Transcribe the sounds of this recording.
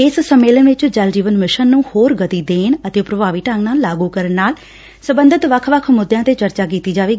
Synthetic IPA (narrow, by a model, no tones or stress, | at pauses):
ɪssəmeːlənʋɪt͡ʃd͡ʒəld͡ʒiːʋənmɪʃənːũːhoːɾɡət̪iːd̪eːnət̪eːpɾəbaːʋiːʈaŋɡnaːlːaːɡuːkəɾənːaːl | səbənd̪ət̪ʋəkʰʋəkʰmʊd̪jãːt̪eːt͡ʃəɾt͡ʃaːk̬iːt̪iːd͡ʒaːʋeː